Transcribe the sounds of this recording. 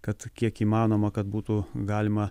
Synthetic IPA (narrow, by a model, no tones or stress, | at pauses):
kɐt̪kʲiɛkiːmɑːnoːmɐkɐt̪̚buːt̪uɡɑːlʲɪmɐ